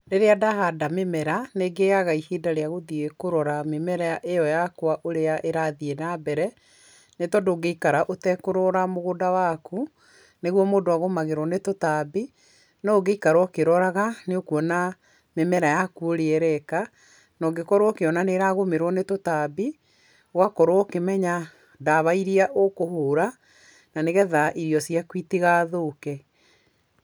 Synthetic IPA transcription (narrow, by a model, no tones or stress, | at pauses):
ɾeɾeadaɦadamemɛɾaneɡeɣaɣaihiːdaɾeaɣoðiekoɾɔɾamemɛɾaaʔejɔjakwaʔoɾeaʔeɾaðienabɛɾɛ | netɔdoːɡeikaɾaʔotɛkoɾɔɾamoɣodawaku | neɣwɔmoːdoaɣomaɣeɾwɔnetotabi | nɔːɡeikaɾwɔkeɾɔɾaɣaneokuɔna | memɛɾajakuoɾeɛɾɛka | nɔɡekɔɾwɔkeɔnaneɾaɣomeɾwɔnetotabi | ɣwakɔɾoɔkemɛɲa | daβaiɾiaʔokohoːɾa | naneɣɛðaʔiɾijɔsiakwiteɣaðokɛ